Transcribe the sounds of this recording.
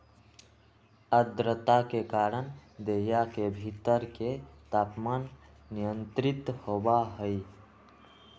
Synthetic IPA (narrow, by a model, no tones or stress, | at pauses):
əd̪ɾət̪akekaːɾənd̪ejakebʱit̪əɾket̪apmanː | ijənt̪ɾit̪hobaɦəj